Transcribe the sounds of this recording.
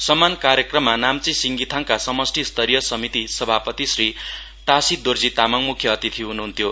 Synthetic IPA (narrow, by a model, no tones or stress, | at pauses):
sʌmːankaɾjʌkrʌmːanamt͡sisiŋɡit̪ʰaŋkasʌmʌsʈʰist̪ʰʌɾijʌsʌmit̪isʌbʱapʌt̪isri | t̪asid̪ord͡zit̪amʌŋmukʰjʌːt̪it̪ʰiɦunuɦunt̪ʰjo